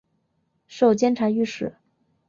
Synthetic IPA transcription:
ʂo˥˩ʊt͡ɕjɛ˥nʈ͡ʂʰa˧˥y˥˧ʂɻ̩˥˩˦

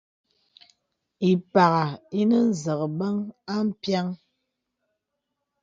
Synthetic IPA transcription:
i˨pa˨ɣa˨i˦nə˦n̩˦˨zə˨ɣə˨bə˦ŋa˦m̩˦pja˦ŋ

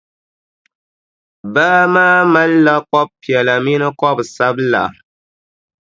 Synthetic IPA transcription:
baː˦maː˦ma˦lːa˦kɔ˦b̚pi˨ɛ˨la˨mi˦nɨ˦kɔ˦bsa˦bla̰˨

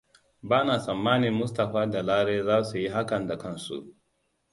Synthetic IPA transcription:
baː˦naː˨sɐ˨mːaː˦nɪ˨mːʊ˦sta˨ɸaː˦da˨laː˦ɾeː˦zaː˦su˨ji˦ɦa˦kɐ˨nda˨kɐ˦nsṵ˨ʔ

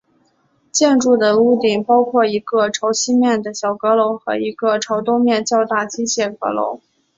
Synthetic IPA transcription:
t͡ɕjɛ˥˧nʈ͡ʂu˥˩d̪ə˩u˥˩t̪i˥˩ŋpɑ˥ʊkʰwɔ˥˩i˧˥ɡə˧ʈ͡ʂʰo˧˥ʊɕi˥mjɛ˥˩nd̪ə˩ɕjɑ˨˩ʊkɤ˧˥lo˧˥ʊxɤ˧˥i˧˥ɡə˧ʈ͡ʂʰo˧˥ʊt̪o˥ʊmjɛ˥˧nt͡ɕjɑ˥˧ʊt̪a˥˩t͡ɕi˥ɕjɛ˥˩kɤ̰˧˥lo̰˧˥ʊ

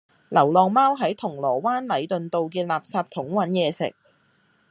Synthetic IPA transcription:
lɐ˨˩wlɔː˨ŋmaː˥wɦɐ˨˥jt̪ʰʊ˨˩ŋlɔː˨˩waː˥nlɐ˨˧jt̪ɵ˨nt̪o˨wkɛː˧laː˨p̚saː˧p̚t̪ʰʊ˨˥ŋwɐ˨˥njɛː˨˧sɪ̰˨k̚

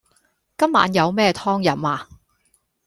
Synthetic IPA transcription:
kɐ˥mːa̰ː˨˥njɐ˨˧wmɛː˥t̪ʰɔː˥ŋjɐ˨˥maː˧

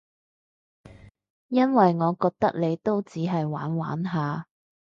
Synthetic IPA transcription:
jɐ˥nwɐ˨jŋɔː˨˧kɔː˧k̚t̪ɐ˥k̚le˨˧jt̪o˥wt͡siː˨˥ɦɐ˨jwa̰ː˨˥nwa̰ː˨˥nɦaː˨

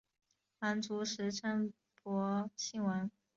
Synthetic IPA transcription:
ma˧˥nt͡su˧˥ʂɻ̩˧˥ʈ͡ʂʰə˥n | pɔ˧˥ɕi˥˩ŋwə˧˥n

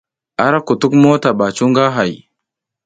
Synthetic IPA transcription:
a˨ɾa˦ku˨tu˦kmo˦ta˨ɓa˨t͡ʃu˦ŋɡa˦ɦa˨j

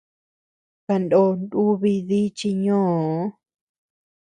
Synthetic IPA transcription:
ka˧ndo˦˧˦ndu˦βi˧ði˦t͡ʃi˧ɲõː˦˨˦

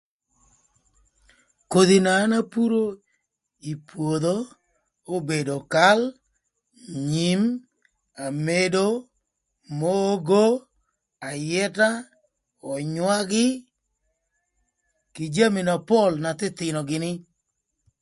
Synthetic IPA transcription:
ko˨d̪i˨na˨˦na˦pu˦ɾo˦ | i˨pwo˨d̪o˦ | o˦be˨do˨ka˦l | ɲi˦m | a˨me˦do˦ | mo˦ɡo˦ | a˨jɛ˦ta˦ | ɔ˨ɲwa˦ɡɪ˦ | kɪ˨d͡ʒa˦mi˨na˨pɔ˦lna˨t̪ɪ˦t̪ɪ˨nɔ˨ɡɪ˨nɪ˦

